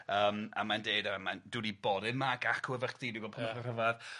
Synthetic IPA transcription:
əːma̰mandeːdamandudiboːdɪnmaɡakʰuɛvəχðidiɡɔpʰɔmərəvað

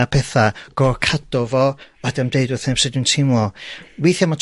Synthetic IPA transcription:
apʰɛθaɡ̥ɔkʰad̥ɔvɔɔdamdeɨdwʊθnɛpsɛdintʰɪmɔwejθjamatʰ

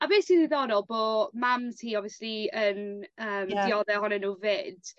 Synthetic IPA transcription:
abeːsiðɪðɔnɔlˠboːmamtʰiːɔviəsliənəːmdiɔðɛhɔnɛnuːvɪd̥

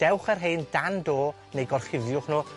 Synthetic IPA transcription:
d̥ɛwχərɦeːndandoː | nejɡɔrχɪvjʊχnoː

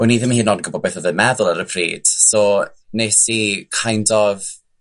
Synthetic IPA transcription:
ɔniːðəmihiːnːɔdnɡɔbɔbeθɔvɨmɛðʊlˠaɾəpʰrḭːd̥sɔnesikʰajndɔð

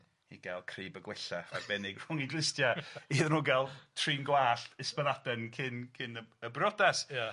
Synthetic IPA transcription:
ḭɡ̥ɛlˠkʰriːbəɡwɪɬaa̰bɛnɪɡr̥ʊŋɪɡlˠɪstjaiðnuːɡɛlˠtʰriːnɡwaːɬɪspənadɛnkʰɪnkʰɪnəəbrɔdasa

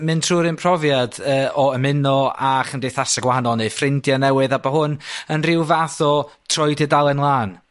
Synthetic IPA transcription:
mɨntʰruːɾɨnpʰr̥ɔvjadəːʔɔəmɪnɔaχəndejθasaɡwahanɔlˠnejfrɪndjanɛwɨðabaɦʊnənrɪwvaθɔ | tʰr̥ɔjdɛdalˠɛnlˠaːn

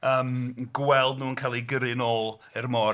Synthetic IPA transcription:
əːmɡwɛlˠdnuːənkʰalˠiɡəɾɪnoːlˠ | ɛrmɔ

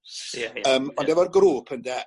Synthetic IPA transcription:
əːmɔndɛvɔrɡruːpʰəndɛ

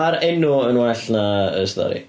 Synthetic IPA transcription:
aɾɛnʊənwɛɬnaəstɔ̰ɾḭ

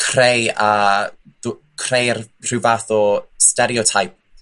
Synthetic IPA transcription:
kʰrejað̥ | kʰrejrr̥ɪvaːθɔstɛɾiɔtʰajp̚

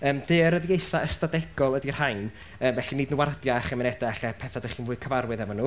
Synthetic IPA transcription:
əːmdɨːəɾəðjejθaəstadɛɡ̥ɔlˠədir̥hajn | əːmvɛɬiniːdnwardjaaχɛmɪnɛdaaɬɛpʰɛθadəχiːnvʊːɨkʰəvarwɨðɛvɔnuː

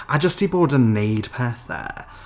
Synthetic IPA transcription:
ʔad͡ʒəstibɔːdəneɪd̥pʰɛːˑθðɛ̰

